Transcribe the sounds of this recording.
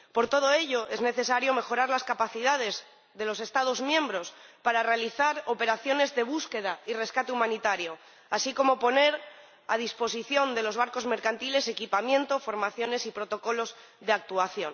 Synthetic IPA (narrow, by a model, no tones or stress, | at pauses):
po̞ɾt̪o̞ð̞o̞e̞ʎo̞ʔe̞zne̞θe̞saɾjo̞me̞xo̞ɾaɾlaskapaθiðað̞e̞z | ðe̞lo̞se̞st̪að̞o̞zmjẽ̞mbɾo̞spaɾare̞aliθaɾo̞pe̞ɾaθjo̞ne̞zðe̞β̞uske̞ð̞aire̞skat̪eumãnit̪aɾjo̞ | asiko̞mo̞po̞ne̞ɾ | a̰ð̞ispo̞siθjo̞nd̪e̞lo̞zβ̞aɾko̞zme̞ɾkant̪ile̞se̞kipamjẽ̞nt̪o̞fo̞ɾmaθjo̞ne̞sipɾo̞t̪o̞ko̞lo̞z | ðe̞ak̚t̪uaθjo̞̰n